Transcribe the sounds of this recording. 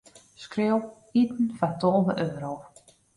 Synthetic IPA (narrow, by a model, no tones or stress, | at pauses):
skrɪw | itn̩fatɔlˠvəʔøːɾow